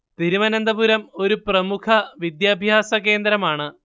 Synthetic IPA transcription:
t̪iɾimɐnɐnd̪ɐbuɾɐmo̞ɾuprɐmukʰɐʋid̪jaːbʱjaːsɐke̞ːnd̪ɾɐmaːɳɨ

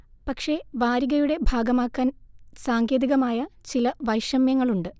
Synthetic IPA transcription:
pɐkʂe̞ʋaːɾiɣɐjuɽe̞bʱaːɡɐmaːkːaːnsaːŋɡjeːðiɣɐmaːjɐt͡ɕilɐʋɐjʂɐmjɐŋːɐɭuɳɖɨ

